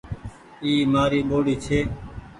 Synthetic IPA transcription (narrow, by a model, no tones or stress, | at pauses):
iːmaːɾiːɓoːɽiːt͡ʃʰeː